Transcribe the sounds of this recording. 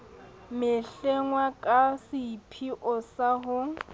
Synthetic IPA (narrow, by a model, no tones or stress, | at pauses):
mɪɬɛŋwakʼasɪpʰiʔɔsaɦʊ